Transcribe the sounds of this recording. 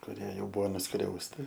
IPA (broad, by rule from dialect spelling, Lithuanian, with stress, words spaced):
kʊˈrʲiɛ ˈjɛʊ ˈbuːʋoː nʊˈskrʲɛʊsʲtʲɪ